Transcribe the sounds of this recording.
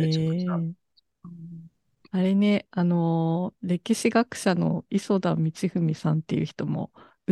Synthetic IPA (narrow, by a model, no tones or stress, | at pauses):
e | aɾe̞ne̞ano̞ɾe̞kʲiɕiɡakɯ̟̥ɕano̞̰iso̞d̪ãmmʲːit͡ɕiɸɯ̟mʲisãnt̪e̞jɯ̟çi̥t̪o̞mo̞̰ | ɯ